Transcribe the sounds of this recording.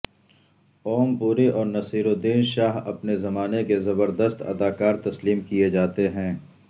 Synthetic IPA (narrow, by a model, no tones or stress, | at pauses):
ɔːmpuːɾeʔɔːɾnɐsiːɾod̪iːnʃaːɦɐpnezɐmaːnekezɐbəɾd̪əst̪ɐ̰d̪aːkaːɾt̪ɐsliːmkied͡ʒaːt̪eɦɛ̃ː